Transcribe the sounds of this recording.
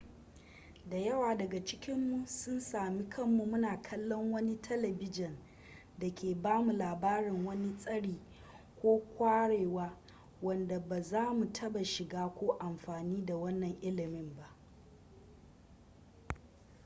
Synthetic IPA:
da˨jɐ˦waː˨dɐ˨ɡa˨t͡ʃɪ˦kʲɪ˦mːu˨sʊ˦nsaː˨mi˦kʰɐ˦˨mːu˨mʊ˦naː˨kʰɐ˦lːɔ˦ŋwɐ˦ni˦tʰɐ˦lɐ˨bɪ˦d͡ʒɪ˨n | da˨kʲeː˨baː˦mu˨laː˨baː˦ɽɪ˨ŋwɐ˦ni˦sʼɐ˦ɽiː˨ | kʷoː˦kʷaː˦ɽeː˨waː˦ | wɐ˨nda˨ba˨zaː˦mu˨tʰɐ˦ba˨ʃɪ˨ɡaː˦kʷoː˦ʔa˨mɸaː˨niː˦da˨wɐ˦nːɐ˨ŋʔɪ˦lɪ˨mɪ˦mba˦ʔ

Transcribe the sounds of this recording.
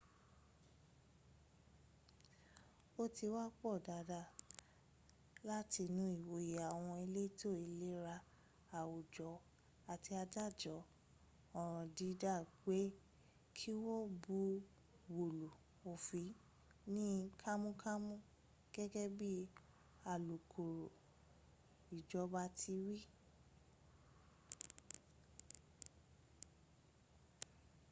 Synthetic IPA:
o˦ti˧wa˦k͡pɔ˦˨da˨da˦˨ | la˦ti˧nũ˨˦i˦˨wo˨ja˨w̃ɔ̃˧i˧le˦to˦˨i˧le˦ɾa˧ | a˨wo˨d͡ʒɔ˨˦ | a˨ti˧a˧d͡ʒa˦˨d͡ʒɔ˨˦ | ɔ̃˨ɾ̃ɔ̃˨di˧˦da˦˨ɡ͡be˨˦ | kʰi˦wo˦bu˧˦ | wo˨lu˨ | o˨fi˨˦ | nĩ˦kʰa˦mũ˦kʰa˦mũ˦ | ɡ̥ɛ˦ɡɛ˦bi˦ | a˨lu˨kʰu˨ɾo˨ | i˨d͡ʒɔ˨˦ba˧tʰi˧wi˦

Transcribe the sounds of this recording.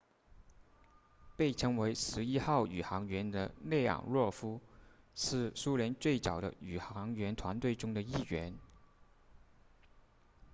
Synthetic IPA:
pe˥˩ɪʈ͡ʂʰɤ˧˥ŋwe˧˥ɪʂɻ̩˧˥i˥xɑ˥˩ʊy˨˩xɑ˧˥ŋɥɛ˧˥nd̪ə̰˧lɛ˥˩ɪjɑ̰˨˩ŋɻwɔ˥˩fu˥ | ʂɻ̩˥˩su˥ljɛ˧˥nt͡swe˥˩ɪt͡sɑ˨˩ʊd̪ə̰˦y˨˩xɑ˧˥ŋɥɛ˧˥nt̪ʰwa˧˥nt̪we˥˩ɪʈ͡ʂʊ˥ŋd̪ə˨i˥˩ɥɛ˧˥n

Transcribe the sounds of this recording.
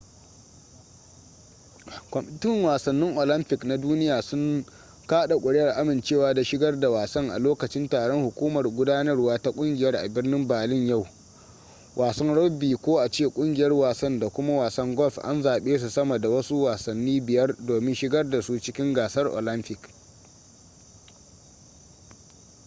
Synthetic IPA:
kʷɔ˨mɪ˦tɪ˦ŋwaː˨sɐ˨nːɪ˦ŋʔo˨lɐ˦mpɪ˨kna˦duː˦nɪ˦jaː˨sʊ˦ŋ | kaː˦ɗa˨kʷʼʊ˨ɽɪ˦jɐ˨rʔa˦mɪ˨nt͡ʃeː˦˨waː˦da˨ʃɪ˦ɡɐ˦rda˨waː˨sɐ˦ŋʔa̰˨loː˦kɐ˨t͡ʃɪ˦ntaː˨ɽɔ˦ŋhʊ˨kʷuː˦mɐ˨rɡʷʊ˦daː˦nɐ˦rwaː˦ta˦kʷʼʊ˦ŋɡʲɪ˨jɐ˦rʔa̰˨bɪ˦rnɪ˦mbaː˨lɪ˦ɲja˦˨w | wʔaː˨sɐ˦nɽɔ˦biː˨kʷoː˦ʔa˨t͡ʃeː˦˨kʷʼʊ˦ŋɡʲɪ˨jɐ˦rwaː˨sɐ˦nda˨kʷʊ˦ma˦waː˨sɐ˦ŋɡɔ˦ɸʔa̰˦nzaː˨ɓeː˦s̬u˨sɐ˦mɐ˨da˨wɐ˦su˦waː˨sɐ˨nːiː˦bɪ˨jɐ˦rdoː˨mɪ˦nʃɪ˦ɡɐ˦rda˨su˦t͡ʃɪ˦kʲɪ˦ŋɡaː˨sɐ˦rʔo̰ː˨lɐ˦mpɪ˨k

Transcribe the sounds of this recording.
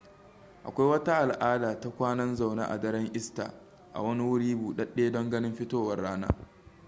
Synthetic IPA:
ʔa̰˨kʷa˦jwɐ˦ta˦ʔa˨lʔaː˦daː˨ta˦kʷaː˦nɐ˦nza˨wna̰ː˦ʔa̰˨dɐ˦ɽɛ˦ŋʔɪ˦sta̰ː˨ | ʔa̰˨wɐ˦ni˦wʊ˦ɽiː˦buː˨ɗɐ˦ɗeː˦dɔ˦ŋɡɐ˦nɪ˦mɸɪ˦toː˦wɐ˨rːaː˦na̰ː˦

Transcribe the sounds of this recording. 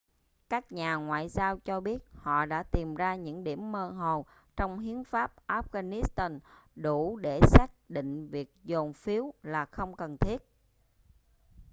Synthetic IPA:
kaː˦˥k̚ɲaː˨˩ŋwa̰ː˧˨jzaː˧wt͡ɕɔ˧ɓi˦˥ət̚hɔ̰˧˨ɗa̰ː˧˥t̪i˨˩mzaː˧ɲɨ̰˧˥ŋɗḭ˧˩əmːəː˧ɦo˨˩ | t͡ɕɔ˧wŋ͡mɦi˨˦ənfaː˦˥p̚ʔaː˦˥p̚ɣaː˧ni˦˥st̪aː˧nɗu˧˩ɗe˧˩saː˦˥k̚ɗḭ˧˨ŋ̟vi˨˩ək̚zo˨˩nfi˨˦əwlaː˨˩xə˧wŋ͡mkə˨˩nt̪ʰi˦˥ət̚

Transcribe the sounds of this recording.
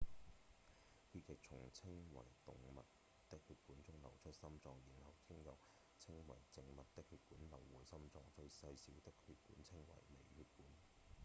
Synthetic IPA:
kʰyː˧t̚jɪ˨k̚t͡sʰʊ˨˩ŋt͡sʰɪ˥ŋwɐ̰˨˩jt̪ʊ̰˨ŋmɐ̰˨t̚ | t̪ɪ˥k̚hyː˧t̚kuː˨˥nt͡sʊ˥ŋlɐ˨˩wt͡ʃʰɵ˥t̚sɐ˥mt͡sɔː˧ŋji˨˩nhɐ˨˩wt̪ʰi˥ŋjɐ˨˧w | t͡sʰɪ˥ŋwɐ̰˨˩jt͡sɪ˧ŋmɐ˨t̚t̪ɪ˥k̚hyː˧t̚kuː˨˥nlɐ˨˩wːuː˨˩jsɐ˥mt͡sɔː˧ŋt͡ʃɵ˧ɥsɐ˧jsiː˨˥wt̪ɪ˥khyː˧t̚kuː˨˥nt͡sʰɪ˥ŋwɐ̰˨˩jmḛ˨jhyː˧t̚kuː˨˥n

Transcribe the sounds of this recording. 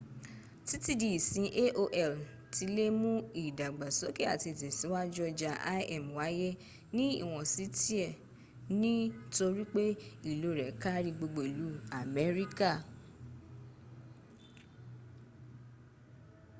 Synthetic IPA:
ti˦ti˦di˧˨i˨sĩ˧˦ʔe˦ʔo˧ʔɛ˦˨l | ti˨˧le˦mũ˦i˦˨da˨ɡ͡ba˨sɔ˨˦ke˦a˦˨ti˧˨tɛ˨si˨˦wa˦d͡ʒɔ˧d͡ʒa˧ʔa̰˦ɛ˦˨mwa˨˦je˦ | nĩ˦ḭ˦˨w̃ɔ̃˨si˨˦ti˦ɛ˦˨ | nĩ˦to˧ɾi˦k͡pe˦i˦˨lo˨˦˨ɾɛ˨˦ka˦ɾi˧ɡ͡bo˧ɡ͡bo˨i˨lu˨˦a˨mɛ˨˦ɾi˦ka˦˨

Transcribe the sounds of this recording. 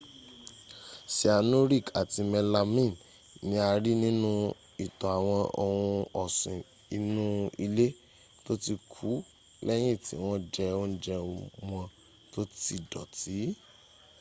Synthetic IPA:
si˨a˨nũ˦ɾi˦˨ka˨ti˧mɛ˧la˧mĩ˦˨n | nĩ˦a˧ɾi˦nĩ˦nũ˦ | i˨tɔ˨a˨w̃ɔ̃˧o˧hũ˧ɔ˨sĩ˨ | i˨nũ˦i˧le˦ | to˦ti˧kʰu˨˦ | lɛ˦j̃ĩ˦˨tĩ˨˦w̃ɔ̃˦d͡ʒɛ˧o˦n̩˦d͡ʒɛ˧w̃ɔ̃˧ | to˦ti˧dɔ˨ti˨˦

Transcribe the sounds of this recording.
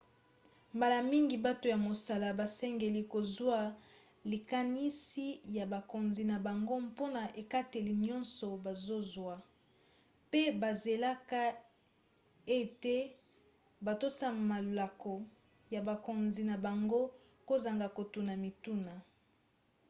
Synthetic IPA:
mba˨la˨mi˦ŋɡi˨ba˦to˨ja˨mo˨sa˨la˨ba˨sɛ˦ŋɡe˨li˨ko˨zwa˦ | li˨ka˨ni˦si˦ja˨ba˨ko˨nzi˨na˨ba˨ŋɡo˦po˦na˨ʔe˨ka˦te˨li˨ɲɔ˦nsɔ˨ba˨zo˦zwa˦ | pe˦ba˨ze˨la˦ka˦ | e˦te˦ | ba˨to˦sa˦ma˨la˨ko˨ | ja˨ba˨ko˨nzi˨na˨ba˨ŋɡo˦ | ko˦za˨ŋɡa˨ko˨tu˨na˨mi˨tu˦na˨

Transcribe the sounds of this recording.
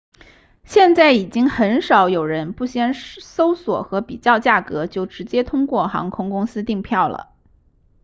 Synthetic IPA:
ɕjɛ˥˧nt͡sa˥˩ɪi˨˩t͡ɕi˥ŋxə˧˥nʂɑ˧˥ʊjo˨˩ʊɻə˧˥npu˥˩ɕjɛ˥nso˥ʊswɔ̰˨˩xɤ˧˥pi˨˩t͡ɕjɑ˥˧ʊt͡ɕja˥˩kɤ˧˥t͡ɕjo˥˩ʊʈ͡ʂɻ̩˧˥t͡ɕjɛ˥t̪ʰʊ˥ŋkwɔ˥˩xɑ̰˧˥ŋkʰʊ˥ŋkʊ˥ŋsɹ̩˥t̪i˥˧ŋpʰjɑ˥˩ʊlə̰˩

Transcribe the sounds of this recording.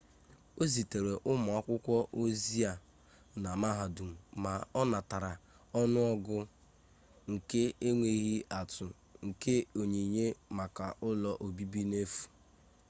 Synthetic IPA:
o˦zi˨te˨ɾe˨ʔʊ˦ma˨a˦kʷʊ˦kʷɔ˦ʔo˦zi˦a˨ | na˨ma˦ɦa˨du˨m̩˨ma˨ɔ˦na˨ta˨ɾa˨ | ɔ˦nʊ˦ɔ˦ɡʊ˦ | ŋ̩˨ke˦e˦ŋʷe˨i˦ɦi˦ʔa˨tʊ˨ | ŋ̩˨ke˦o˨ɲe˨i˨ɲe˦ma˨ka˨ʔʊ˦lɔ˨ʔo˨bi˦bi˦ne˦fu̥˨

